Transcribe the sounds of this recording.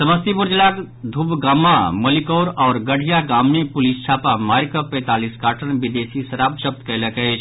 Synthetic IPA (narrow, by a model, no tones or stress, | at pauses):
səməst̪ipʊɾd͡ʒlaːk | d̪ʱubɡaːmaməlikoːɾɔːɾɡəɽʱijaɡaːmːẽpʊlist͡ʃʰaːpamaːɾkəpɛ̃ːt̪aːliskaːʈʰənbɪd̪eːsisɐɾaːb̚ʃəb̚t̪kələkət͡ʃʰ